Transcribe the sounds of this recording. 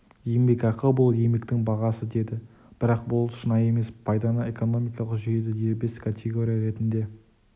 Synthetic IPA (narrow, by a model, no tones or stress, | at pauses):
jembe̞kɑqəlˠbʊlˠjemekt̪ɪŋbɑʁɑsəd̪e̞d̪ɪ | b̥ɪɾɑq̚bʊlˠʃənɑje̞me̞spʰɑjd̪ɑnɑe̞ko̞no̞mijkɑlˠəqʒʏjed̪ɪje̞ɾbe̞skʰat̪ʰʲeɡo̞ɾʲijaɾe̞t̪ɪnd̪e̞